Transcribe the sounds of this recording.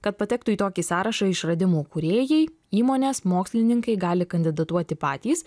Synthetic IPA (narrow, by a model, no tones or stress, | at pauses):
kɐt̪̚pɐt̪ʲɛkt̪ʊiːt̪oːkʲisɑːɾɐʃɐɪʃɾɐd̪ʲɪmuːkʊɾʲeːjɛɪ | iːmoːnʲeːsmoːksʲlʲɪnʲɪŋkɐɪɡɑːlʲɪkɐnʲd̪ʲɪd̪ɐt̪uɔt̪ʲɪpɑːt̪ʲiːs